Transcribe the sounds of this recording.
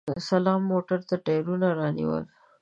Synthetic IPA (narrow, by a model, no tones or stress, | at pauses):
salɑmːoʈaɾt̪aʈɑjɾunaɾɑnḭwə̰l